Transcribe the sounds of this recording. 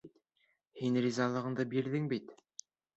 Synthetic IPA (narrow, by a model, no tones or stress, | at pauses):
hinrʲizɑlˠɤ̆ʁɤ̆ɴd̪ɤbiɾðɘŋbit̪